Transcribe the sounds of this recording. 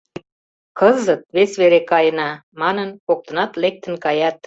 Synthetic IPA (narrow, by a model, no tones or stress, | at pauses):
kəzət̪̚βesβeɾekɑjənɑmɑnənkok̚t̪ə̆nɑt̪lek̚t̪ə̆nkɑjɑt̪̚